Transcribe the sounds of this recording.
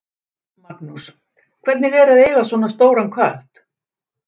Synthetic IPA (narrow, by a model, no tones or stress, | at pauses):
maknus | kʰvɛt̪nɪɣɛɾaðeːlasvɔːnast̪oːwɾankʰœht̪